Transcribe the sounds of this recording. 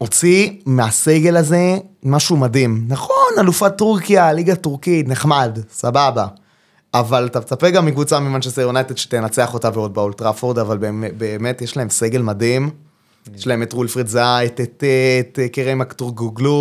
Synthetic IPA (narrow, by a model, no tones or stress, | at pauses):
o̞t͡simeaseɡe̞laze̞maʃumadimnaχo̞nalufatuʁkialiɡatuʁkitneχmadsababa | avalatat͡sapekɡamːikvut͡samimanʃeseonajt̪edʃe̥t̪enat͡se̞aχo̞taveo̞d̚baultʁafoʁd̪avalbebeːme̞tjeʃlae̞mse̞ɡe̞lmadim | jeʃlaemetʁulfʁitzaetetetkeʁemaktuʁɡuɡlu